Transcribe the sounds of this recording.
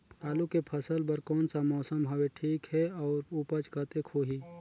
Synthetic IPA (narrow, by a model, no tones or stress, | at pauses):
aːlukepʰəsəlbəɾkɔːnsamɔːsəmɦɐweʈʰiːkɦɛɔːɾupət͡ʃkət̪ekʰoːɦiː